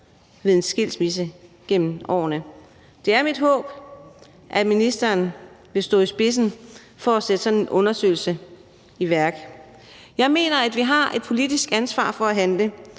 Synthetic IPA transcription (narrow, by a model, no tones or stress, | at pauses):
ʋe̝ð̞ˠe̝nsɡ̥e̝l̰smis̬ə | ɡ̥em̰m̩ɒ̰ːnə | d̥e̝æɐmid̥ɦɔ̰̽ːb̥ | ʔæminisd̥ɐːnʋe̝sd̥ɔ̰̽ːisb̥e̝s̬n̩ | fɒæsed̥əsɒ̽nenʔɔ̽nɐsø̰ɪl̩sə | iʋæɐɡ̥ | jɑ̈ɪme̝̰ːnɐæd̥ʋiɦɑ̈ʔe̝d̥̚pʰo̝lid̥isɡ̥ænsʋɑ̰̈ːfɒ̽æɦænlə